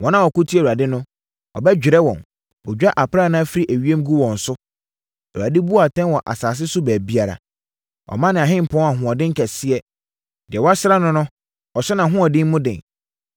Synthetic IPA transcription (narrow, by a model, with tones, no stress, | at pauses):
wɔ̃˦nã˨wɔ˨kʊ˦tʰi˦ɛ˨wu˨a˨dɪ˦nʊ̃˦ | ɔ̰˨bɛ˦d͡ʑᶣɪ˨ɾɛ˦wɔ̰̃˨n | ɔ˨d͡ʑᶣa˦ʔa˨pɾa˦˨˦nã˦fi˦ɾi˦ʔæ˨ɥi˦e˦m˦ɡu˦wɔ̃˨n̩˨sʊ˦ | a˨wu˨a˨dɪ˦bu˦a˨tʰɛ̃˦nwɔ˨ʔa̰˨saː˨s̬ɪ˦sʊ˦bæː˨bi˦a˨ɾa̰˨ | ɔ̰˨mã˦nɪ̃˨ã˨ɦɪ̃˦m̩˨pʰɔ̃˦a˨ɦʊ̃˨ɔ˨dɪ̃˦ŋ̩˦kʰɛ˨sɪ˦ɛ˨ | d̥ɪ˨ɛ˨wɔ˦a˦sɪ˦ɾa˦nʊ̃˦nʊ̃˦ | ɔ˨sɛ˦nã˨ɦʊ̃˦ɔ˨dɪ̃˦mmʊ̃˦dɪ̰̃˨n